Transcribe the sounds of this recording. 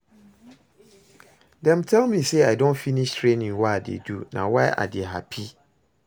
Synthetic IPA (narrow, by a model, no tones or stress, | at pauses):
dɛ̃mtʰɛlmĩseaɪdõnfinĩʃtʰɹẽnĩŋwaadḛdunã̰wɛʔa̰deɦa̰pʰi